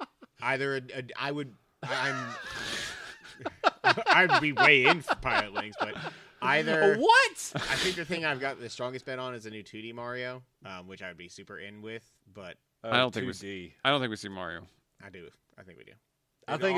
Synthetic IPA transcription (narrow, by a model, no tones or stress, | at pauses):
aɪðə˞ɨɨa̰ɪwɨd̚ | ãɪ̃mʰ | aɪw̚biweɪɪ̃nfə˞pʰaɪllˠɨt̚ˡlɪɾɪ̃ŋzb̥ʌt̚ | aɪðə˞wʌtaɪθɪ̃ŋk̚ðɨθɪ̃ŋaɪvɡɑt̪̚ðɨstɹ̥ɔ̃ŋɡɨstb̥ɛɾn̩ɨzɨnʉtʰʉɾimɑɹioʊ | ʌ̃mwɨt͡ʃaɪwɨd̚bisʉpə̰˞ʔɪ̃nwɪð̥ | b̥ʌt̚ | dõʊ̃nθɪ̃kiaɪdõʊ̃nθɪ̃kwisimɑ̰ɹḭoʊ | ʔaɪdɨ | ʔaɪθɪ̃ŋkwḭdʉ̰ | θɪ̃ŋ